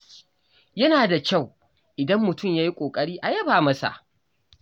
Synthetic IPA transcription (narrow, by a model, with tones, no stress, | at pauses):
jɐ˦naː˨da˨kʲa˦˨w | ʔɪ˨dɐ˦mːʊ˨tʊ˦˨mjaː˦ji˦kʷʼoː˨kʼɐ˦ɽiː˦ʔa˨jɐ˦baː˨mɐ˦sa̰˨ʔ